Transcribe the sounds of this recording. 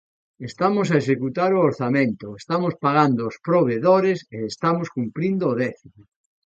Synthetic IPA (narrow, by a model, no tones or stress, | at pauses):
est̪amʊs̬aeʃ̬ekut̪aɾooɾθamẽnt̪ʊest̪amospaɣand̪ʊːspɾoβ̞eðoɾeseest̪amoskumpɾind̪oːðɛθim